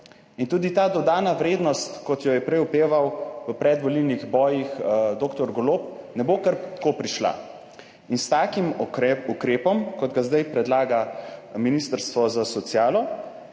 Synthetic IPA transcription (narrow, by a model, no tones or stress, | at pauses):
int̪uːd̪it̪aːd̪ɔd̪aːnaʋɾeːd̪nɔst̪kɔt̪jɔjɛpɾɛjupeːʋawʋəpɾɛd̪ʋɔlilniɣbɔːjixd̪oːkt̪ɔɾɡɔloːp̚nɛbokəɾt̪koːpɾiʃla̰ | inst̪aːkimukɾeːpɔmkɔd̪ɡazd̪ajpɾɛd̪laːɡaminist̪əɾst̪ʋɔzasɔt̪sjaːlɔ